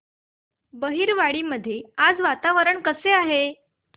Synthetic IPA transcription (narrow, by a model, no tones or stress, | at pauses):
bəɦiːɾʋaɽiːməd̪ʱːjead͡zʋat̪aʋəɾəɳkəseaɦe